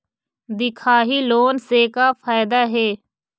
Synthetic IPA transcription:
d̪ɪkʰaːɦiːloːnseːkaːfʰaːɪd̪aːɦeː

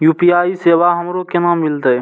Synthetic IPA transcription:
juːpiaːiseʋaɦəmɾokenaːmːilt̪əj

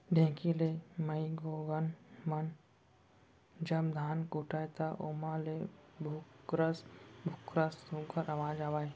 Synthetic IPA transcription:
ɖʱẽːkʰilemɐiɡoːɡɐnmɐn | d͡ʒɐbd̪ʱaːnkuːʈʰaːjt̪aʔomãlebʱʊɾɐsbʱʊkɾasuɡʰɐɾɐʋãːd͡ʒaːʋaːj

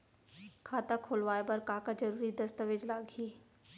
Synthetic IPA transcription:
kʰaːt̪akʰoːlʋaːebɐɾkaːkad͡ʒɐɾuːɾid̪ɐst̪əʋed͡ʒlaːɡɦiː

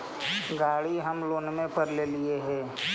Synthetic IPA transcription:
ɡaːɽiɦəmloːnmẽpəɾleːlieɦɛ̃ː

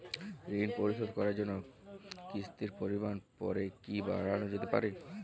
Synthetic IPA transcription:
ɾinpoɾisod̪kɔɾaɾd͡ʑonːokist̪iɾpoɾimanpɔ̰ɾekiba̰ɾanod͡ʑet̪epa̰ɾe

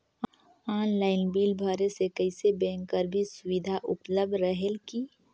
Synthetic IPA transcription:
aːnlaːɪnbiːlbʱaːɾesekəɪsebɛ̃ːŋkːəɾbʱisʊwid̪ʱaʔʊpləb̚d̪ɾəɦelki

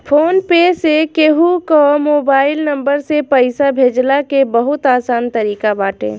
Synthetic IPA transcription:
pʰoːnpesekeɦukɔmoːbaːɪlnəmbəɾsepəɪsabʱeːd͡ʒlakebəɦʊt̪aːsaːnt̪əɾiːkabaːʈḛ̃ː

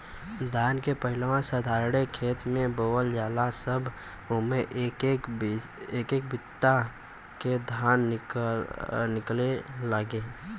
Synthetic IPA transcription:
d̪ʱaːnkepəɦɪlwãsəd̪ʱaːɾɽekʰeːt̪mẽboːwəld͡ʒaːlasəbʱ | ʊmẽʔ | eːkeːkbɪt̪ːa | ked̪ʱaːn | nɪkleləɡeː

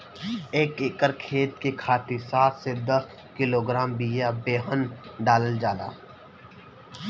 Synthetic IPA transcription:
eːkekəɾkʰeːt̪kekʰaːt̪isaːt̪ʰsed̪əs | kɪloːɡɾaːmbiːjabeːɦənɖaːləld͡ʒaːd̪a̰ː

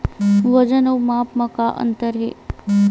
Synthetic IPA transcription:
ʋəd͡ʑənəwmapməkaʔə̰nt̪əɾɦḛ

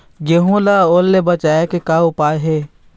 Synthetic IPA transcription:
ɡeɦũlaːolːebɐt͡ʃaːekekaʊpaːjɦe

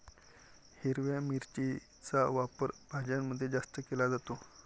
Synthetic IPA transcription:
hiɾʋjamiɾt͡ɕi | t͡saʋapəɾb̥ʱad͡ʑamːəd̪ʱːjed͡zast̪əkelad͡zat̪o

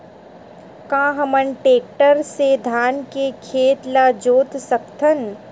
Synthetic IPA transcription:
kãːɦəməɳʈeːk̚ʈəɾsed̪ʱaːnkekʰeːt̪laːd͡ʒoːt̪sɐkt̪ʰən

